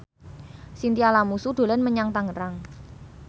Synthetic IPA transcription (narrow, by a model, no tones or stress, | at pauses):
sint̪ialamusuɖ̪̥o̤lɛnməɲaŋt̪aŋəɾaŋ